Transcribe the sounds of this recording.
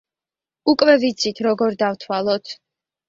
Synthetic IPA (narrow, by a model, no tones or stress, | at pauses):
ukʼvɛvit̪sʰit̪ʰɾɔɡɔɾd̪avt̪ʰwalˠɔt̪ʰ